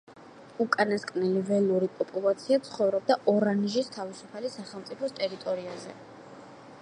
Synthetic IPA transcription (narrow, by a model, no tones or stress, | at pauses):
ukʼanaskʼvnɛlivɛlˠuɾipʼɔpʼulˠat̪sʰiat̪sʰχɔvɾɔb̚d̪aʔɔɾaniʒist̪ʰavisupʰalisaχɛlˠmt̪sʼipʰɔst̪ʼɛɾit̪ʼɔɾiazɛ